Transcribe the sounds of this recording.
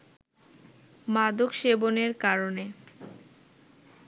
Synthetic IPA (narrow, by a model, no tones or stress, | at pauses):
mad̪okʃeboneɾkaɾone